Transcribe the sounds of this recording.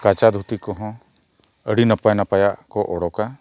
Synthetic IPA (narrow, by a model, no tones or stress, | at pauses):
kat͡ʃad̪ʱut̪ikɔɦɔ̃ | əɽinapajnapajaʔkɔʔɔɽɔka